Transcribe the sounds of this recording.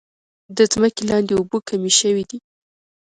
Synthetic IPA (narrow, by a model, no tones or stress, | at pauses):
d̪əzməkelɑnd̪eubokʰamiʃəwid̪i